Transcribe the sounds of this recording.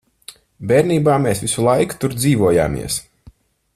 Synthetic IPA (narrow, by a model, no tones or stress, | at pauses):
bɛːɾniːbaːmeːsvʲisulˠajku̥t̪uɾd̪ziːvuɔja̰ːmʲḭɛs